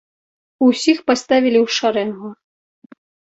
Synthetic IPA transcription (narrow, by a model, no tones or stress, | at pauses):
usʲixpast̪avʲilʲiwʂaɾɛnɣɔ